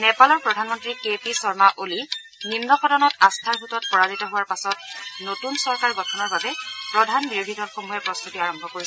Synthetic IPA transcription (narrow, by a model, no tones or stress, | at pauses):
nɛpalɔɹpɹɔdʱanmɔntɹikepisɔɹmaʔoli | nimnɔxɔdɔnɔtastʰaɹɦutɔt̚pɔɹazitɔɦʊwaɹpasɔt̚notunsɔɹkaɹɡɔtʰɔnɔɹbabɛpɹɔdʱanbiɹodʱidɔlxomuɦɛpɹɔst̪utiaɹɔmbʱɔkoɹis